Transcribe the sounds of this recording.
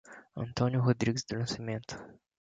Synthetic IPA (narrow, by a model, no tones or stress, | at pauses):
ɐ̰̃nt̪õnjʊɦod̪ɾiɡɪzd̪ʊlɐ̃simẽnt̪ʊ̥